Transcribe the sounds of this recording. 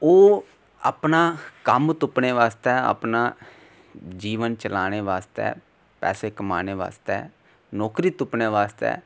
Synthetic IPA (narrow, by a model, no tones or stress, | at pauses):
oː | a̰pnaːkəmt̪ʊpneːʋaːst̪ɛːə̰pnaː | d͡ʒiːʋənt͡ʃəlaːɽ̃eːʋaːst̪ɛ̰ː | pɛ̰ːseːkəma̰ːneːʋa̰ːst̪ɛ̰ː | nɔːkɾiːt̪ʊpneːʋaːst̪ɛ̰ː